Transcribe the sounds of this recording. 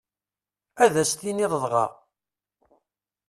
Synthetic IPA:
æðæst̪iniðˤəðˤʁɑ̰

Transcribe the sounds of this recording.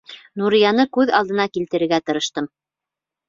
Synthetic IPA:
nuɾijɑnɤkʉðɑ̰lˠd̪ɤ̆nɑkilt̪ɘ̆ɾɘ̆ɾɡæt̪ɤ̆ɾɤ̆ʃt̪ɤm

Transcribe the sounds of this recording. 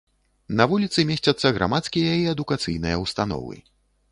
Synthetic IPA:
nɐvulʲit̪sɨmʲesʲt͡sʲɐt̪sːɐɣɾʔa̰mat̪skʲijɐiɛd̪ukat̪sɨjnɨjɐwst̪an̪ɔ̰vɨ̰

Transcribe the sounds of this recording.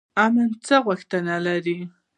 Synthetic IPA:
amant͡sawakt̪analaɾi

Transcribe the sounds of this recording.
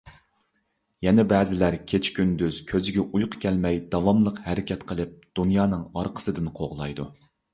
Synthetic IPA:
jɛnɛbɛːzɪlæɾkʲʰet͡ʃʰkʲʰynd̪yz̥kʲʰøzɪɡʲɛʔujqʰə̥kʲʰɛlmɛjd̪ɑvɑmlˠəqhæɾɪkʲʰɛt̪qʰəlˠɨp̚d̪̥unjɑːnɨŋɑɾqʰə̥sɨd̪ɪnqʰoʁlˠɑjd̪u

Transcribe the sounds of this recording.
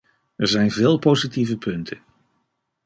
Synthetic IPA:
ɛɹzɛjnvɪːlˠpowzitivəpɵntʰən

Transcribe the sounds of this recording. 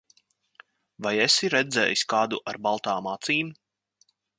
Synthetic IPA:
vajɛsiɾɛd̪zɛ̰ːjisʲkaːd̪uʔaɾbalˠt̪aːmat̪siːn

